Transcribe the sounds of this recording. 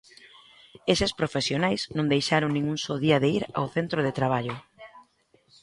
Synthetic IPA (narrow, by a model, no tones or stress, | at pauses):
esɪspɾofesjonajsnõŋd̪ejʃaɾoŋnĩŋuŋsoðiɐðeiɾa̰wθent̪ɾoð̞et̪ɾaβ̞aʎʊ